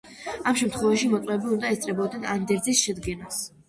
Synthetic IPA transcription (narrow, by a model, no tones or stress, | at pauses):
amʃɛmt̪ʰχwɛvaʃimɔt̪sʼwɛbiund̪aɛst̪sʼɾɛbɔd̪nɛnand̪ɛɾzisʃɛd̪ɡɛnas